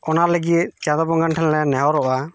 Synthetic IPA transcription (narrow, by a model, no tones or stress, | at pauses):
ɔnaləɡit̪̚t͡ʃãd̪ɔbɔŋɡanʈʰɛnlɛnɛɦɔɾɔʔa